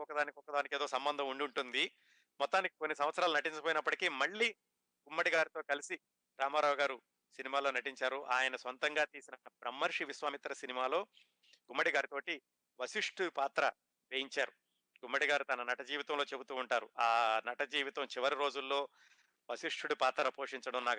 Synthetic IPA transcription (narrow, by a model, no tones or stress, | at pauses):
ɔkːɐd̪aːnikɔkːɐd̪aːnikeːd̪o̞ːsɐmbɐnd̪ʱɐmuɳɖuɳʈund̪i | mɔt̪ːaːnikiko̞nːisɐmʋɐt̪sɐɾaːlunɐʈiɲt͡ʃɐpoːjinɐpːɐʈikiːmɐɭːiː | ɡumːɐɽiɡaːɾit̪o̞ːkɐlisi | ɾaːmaːɾaːwuɡaːɾu | sinimaːlo̞ːnɐʈiɲt͡ʃaːɾuʔaːjɐnɐsʋɐnt̪ɐŋɡaːt̪iːsinɐɐpɾɐmːɐɾʂiʋisʋaːmit̪ɾɐsinimaːlo̞ː | ɡumːɐɽiɡaːɾit̪o̞ːʈi | ʋɐsiʂʈupaːt̪ɾɐ | ɾejiɲt͡ʃaːɾu | ɡumːɐɽiɡaːɾut̪ɐnɐnɐʈɐd͡ʒiːʋit̪ɐmlo̞ːt͡ʃe̞but̪uːuɳʈaːɾuʔaːnɐʈɐd͡ʒiːʋit̪ɐmt͡ʃiʋɐɾiɾo̞ːd͡ʒulːo̞ː | ʋɐsiʂʈuɽupaːt̪ɾɐpo̞ːʂiɲt͡ʃɐɽɐmnaːk